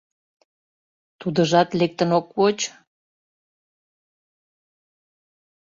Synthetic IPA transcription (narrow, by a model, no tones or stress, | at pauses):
t̪ud̪əʒɑt̪lek̚t̪ənokβot͡ɕ